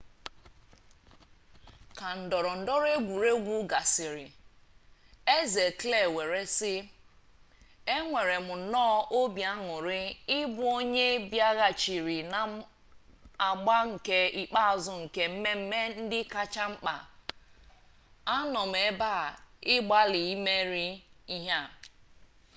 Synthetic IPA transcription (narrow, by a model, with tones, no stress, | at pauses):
ka˨n̩˨dɔ˨ɾɔ˨n̩˨dɔ˦ɾe˦ɡʷu˨ɾe˦ɡʷu˦ɡa˨sɪ˨ɾɪ˨ | e˦ze˨kle˨we˨ɾe˦sɪ˦ | e˦ŋʷe˨ɾe˨mʊ˨nɔː˦ʔo˦bja˦ŋʊ˨ɾɪ˦ɪ˦bʊ˦o˦ɲe˦bja˦ɣa˨t͡ʃi˨ɾi˨na˨ | a˨ɡ͡ba˦ŋ̩˨ke˦i˨k͡pa˦a˨zʊ˦ŋ̩˨ke˦m̩˦me˦m̩˦me˦n̩˦dɪ˦ka˦t͡ʃa˦ŋ͡m̩˦k͡pa̰˨ | a˦nɔ˨m̩˨e˨˦ba˦˨ɪ˦ɡ͡ba˦lɪ˨i˦me˦ɾi˦i˦ɦa˦